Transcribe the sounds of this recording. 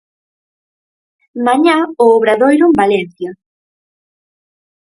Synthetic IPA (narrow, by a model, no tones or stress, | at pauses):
maɲaoːβɾaðojɾumbalenθja